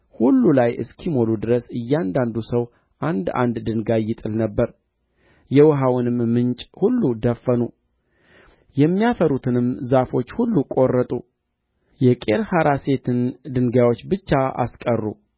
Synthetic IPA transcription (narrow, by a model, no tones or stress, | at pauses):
hulːulajɨ̰skʰimo̞lud̪ɨɾəsɨjːand̪and̪usəw | ʔand̪a̰nd̪d̪ɨnɡajːɪt̪ʼɨlnəbːəɾ | jɛwɦawʊnɨmːɨnt͡ʃʼhulːud̪əfːənu | jɛmːijafəɾut̪ʰɨnɨmzafo̞t͡ʃːhulːukʼo̞rːət̪ʼṵ | jɛkʼe̞ɾhaɾase̞t̪ʰɨnd̪ɨŋɡawo̞t͡ʃːbɨt͡ʃːaa̰skʼərːṵ